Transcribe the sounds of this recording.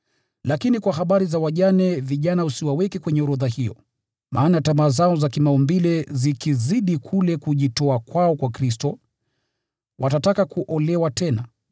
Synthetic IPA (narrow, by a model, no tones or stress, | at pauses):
lakinikwahaɓaɾizawaʄanɛviʄanausiwawɛkɛkwɛɲɛuɾɔðahijɔ | mʔa̰ːnatamaːzaɔzakimaɔmbilɛzikiziɗikʰulɛkuʄitɔakwaɔkwakɾistɔ | wʔatatakakuʔɔlɛwatɛna